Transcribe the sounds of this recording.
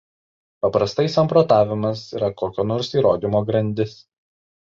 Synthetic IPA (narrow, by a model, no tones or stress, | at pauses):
pɐpɾɐst̪ɐɪsɐ̃mpɾoːt̪ɑːʋʲɪmɐsiːɾɐkoːkʲonoːɾsiːɾoːd̪ʲɪmoːɡɾɐnʲd̪ʲɪs